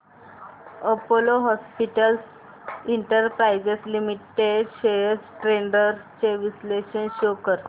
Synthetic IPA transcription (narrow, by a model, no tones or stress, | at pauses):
əpoloɦɔspiʈəls | iɳʈəɾpɾajd͡ʑeslimiʈeɖɕesʈɾeɳɖəɾt͡ɕeʋisleɕənɕokəɾ